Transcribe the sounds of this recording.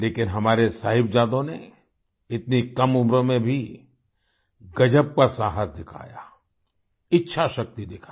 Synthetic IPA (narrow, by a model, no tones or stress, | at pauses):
leːkɪnɦɐmaːɾesaːɦɪbd͡ʒaːd̪õne | ɪt̪nikɐmʊmɾõmẽbʱi | ɡɐd͡ʒəb̚kasaːɦəsd̪ɪkʰa̰ːja | ɪtːʃʰaʃɐk̚t̪id̪ɪkʰa